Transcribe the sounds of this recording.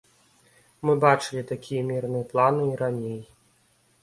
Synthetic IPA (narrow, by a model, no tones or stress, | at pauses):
mɨbat͡ʂɨlʲit̪akʲijɐmʲirnɨjɐplˠanɨiɾanʲej